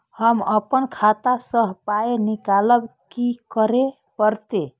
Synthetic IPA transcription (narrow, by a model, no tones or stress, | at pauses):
həməpənkʰat̪asəɦpaenikaləbkikəɾe | pəɾt̪e